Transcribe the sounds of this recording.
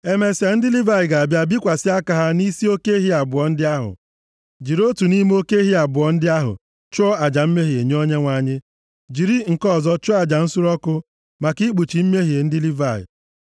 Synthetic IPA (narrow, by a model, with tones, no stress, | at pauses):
e˦me˨si˨a˨n̩˦dɪ˦li˦va˦i˨ɡa˨a˨bja˨bi˦kʷa˨sɪ˦a˦ka˨ɦa˦ni˦si˦o˦ke˦ɦi˦a˨bʊ˨ɔ˨n̩˦dɪ˦a˦ɦʊ̰˨ | d͡ʒi˨ɾo˦tu˨ni˦m˦o˦ke˦ɦi˦a˨bʊ˨ɔ˨n̩˦dɪ˦a˦ɦʊ̰˨ | t͡ʃɔ˦ɔ˦a˨d͡ʒa˨m̩˦me˦ɦi˨e˨ɲ˦o˦ɲe˦ŋʷa˨ɲɪ˦ | d͡ʒi˨ɾi˦ŋ̩˨kɔ˦˨zɔ˦t͡ʃɔ˦a˨d͡ʒa˨n̩˦sʊ˦ɾɔ˦kʊ˦ | ma˨ki˦ɡ͡bu˨t͡ʃi˨m̩˦me˦ɦi˨e˨n̩˦dɪ˦li˦va˦˨ɪ̰˨